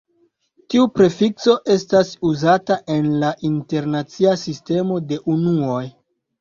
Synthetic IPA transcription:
tiupɾe̞fikso̞ʔe̞stasuzataʔe̞nlaʔinte̞ɾnat͡siasiste̞mo̞de̞ʔunuo̞j

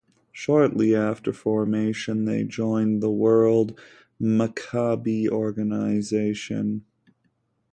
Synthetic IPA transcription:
ʃɔɹtˡliæftə˞fɔɹmeɪʃɨ̃nðeɪd͡ʒɔ̃ɪ̃nðəwɜ˞lˠd̚ | məkʰɑbiɔɹɡɨnəɪzeɪʃɨ̰̃n

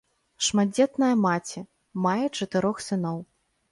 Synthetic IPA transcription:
ʂmad͡zʲɛt̪nɐjɐmat͡sʲi | majɛt͡ʂɐt̪ɨɾɔxsɨnɔw

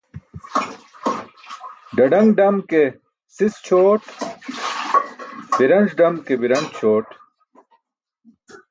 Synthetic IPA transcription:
ɖɐɖɐŋɡɖɐmke | sist͡ɕʰoːʈ | b̥iɾɐnd͡ʑɖɐmkebiɾɐnd͡ʑt͡ɕʰoːʈ

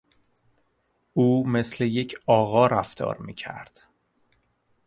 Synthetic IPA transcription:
uːme̞sle̞jecʰɒːɣɒːɾæft̪ɒ̰ːɾmiːcʰæ̰ɾd̪̥

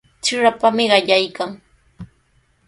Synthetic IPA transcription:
t͡ʃɪɾapamɪɢɑʎajkaŋ

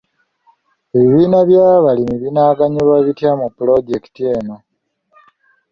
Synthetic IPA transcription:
eβiβiːnaβjaːβalimiβinaːɡaɲuβaβitjamupːulo̞ɟe̞ki̥tie̞ːno̞

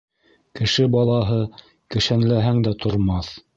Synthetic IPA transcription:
kɘ̆ʃɘbɑlˠɑɦɤ | kɘ̆ʃænlæɦæŋd̪æt̪ʰŏɾmɑθ

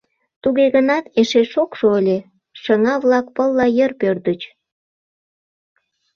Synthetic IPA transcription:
t̪uɣeɣənɑt̪eʃeʃokʃoəlʲe | ʃəŋɑβlɑk̚pəlˠːɑjərpørd̪ət͡ɕ

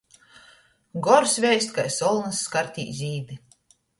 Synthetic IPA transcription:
ɡɔɾsvʲɛjsʲt̪̚kajsɔlˠnɨsːkaɾt̪ʲḭːzʲiːd̪i

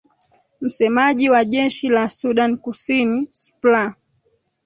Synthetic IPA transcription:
m̩sɛmaʄiwaʄɛʃilasuɗankusinispla

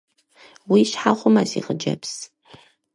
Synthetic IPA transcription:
wiɕħaʁʷʊmɐsḭʁəd͡ʒɐps

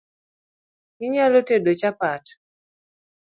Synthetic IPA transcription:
kɪɲalotedot͡ʃapat

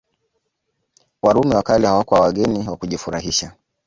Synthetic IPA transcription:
waɾumɛwakalihawakɔawaɠɛniwakuʄifuɾaɦiʃa

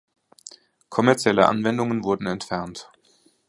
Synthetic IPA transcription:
kʰɔmɛɐt͡sjɛləʔa̰nvɛndʊŋənvʊɐdn̩ɛntfɛɐnt

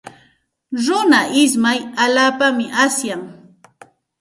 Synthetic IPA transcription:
ɾʊnaʔɪsmajalaːpamɪʔasjaŋ

